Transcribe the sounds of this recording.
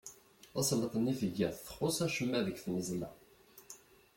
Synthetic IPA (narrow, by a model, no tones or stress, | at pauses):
æslət̪ˤənːifəʝːæθθə̥χosæʃəmːæðəkθnəzlæ̰